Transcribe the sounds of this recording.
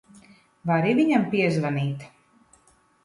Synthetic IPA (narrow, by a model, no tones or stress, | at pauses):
vaɾivʲiɲampiɛzvaniːt̪